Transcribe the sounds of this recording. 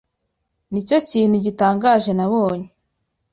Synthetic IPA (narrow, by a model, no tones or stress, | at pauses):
nico̞ciːn̥huɟitaːŋɡaːʒe̞naβoːɲe